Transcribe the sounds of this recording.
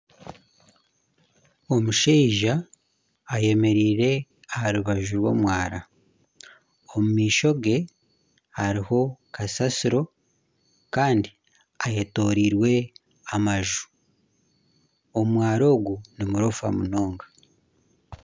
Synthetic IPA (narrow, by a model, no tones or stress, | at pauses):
omuʃeːʒaː | je̞me̞ɾiːɾe̞ | ahaɾuβaʒuɾwo̞̰ːmwaːɾa | omumiːʃo̞ɡe̞ | haɾiho̞kʰasasiɾo̞ | kaːndi | aje̞to̞ːɾiɾwe̞ | amaʒu̥ | o̞mwaːɾo̞ːɡunimuɾofa̰muno̞ːŋɡa